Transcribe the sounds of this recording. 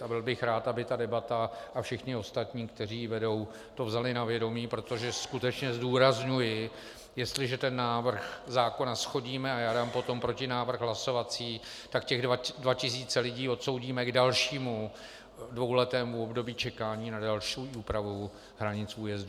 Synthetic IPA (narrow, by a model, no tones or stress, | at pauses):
abɪlbɪxɾaːt̪ʔabɪt̪adɛbat̪aʔafʃɪxɲɪo̞st̪at̪ɲiːkt̪ɛr̝iːvɛdo̞w | t̪o̞vzalɪnavjɛdo̞miːpɾo̞t̪o̞ʒɛskut̪ɛt͡ʃɲɛzduːɾazɲujɪ | jɛst̪lɪʒɛt̪ɛnːaːvr̩xzaːko̞nasxo̞ɟiːmɛajaːdaːmpo̞t̪o̞mpɾo̞cɪnaːvr̩ɣɦlaso̞vat͡siː | t̪akcɛɣdvacɪs̬iːt͡sɛlɪɟiːo̞t̪so̞wɟiːmɛɡdalʃiːmu | dvo̞wlɛt̪ɛːmuobdo̞biːt͡ʃɛkaːɲiːnadalʃiʔuːpɾavu | ɦɾaɲɪt͡suːjɛzdu